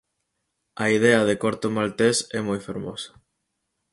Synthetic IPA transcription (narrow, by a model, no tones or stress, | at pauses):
ɐiðeɐð̞ekoɾt̪omalt̪esɛmojfeɾmo̰sɐ̥